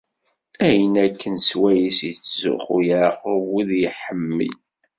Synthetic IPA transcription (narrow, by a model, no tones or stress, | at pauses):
æjənækʰːənswæjisjət͡sːzʊ̰χujɾqwiðjiħəmːḭl